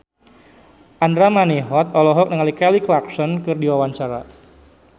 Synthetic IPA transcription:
ʔandɾamaneɦɔt̪̚ɔlɔɦɔk̚nəŋalikɛliklaksɔnkɨrdiwawant͡ʃaɾa

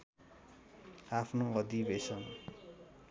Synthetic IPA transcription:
apʰnoʌd̪ibesʌn

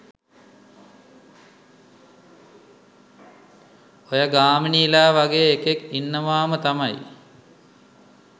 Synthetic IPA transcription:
ojaɡaːminilaːʋaɡeːkekinːəʋaːmət̪amaj

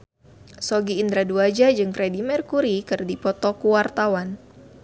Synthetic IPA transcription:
sɔɡiːnd̪ɾaduad͡ʒad͡ʒɨŋkɾɛdimɛrkuɾikɨrdipɔt̪ɔkuwart̪awan

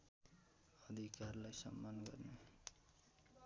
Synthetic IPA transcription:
ʌd̪ʱikarlajsʌ̰mːanɡʌ̰rne

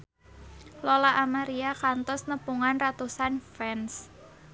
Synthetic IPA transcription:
lolaʔamaɾiakant̪ɔsnəpuŋanrat̪usanfɛns

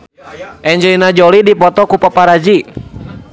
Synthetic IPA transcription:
ʔɛɲd͡ʒəinad͡ʒɔlidipɔt̪ɔkupapaɾad͡ʒi

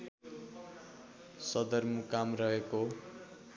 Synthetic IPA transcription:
sʌd̪ʌrmukamrʌɦeko

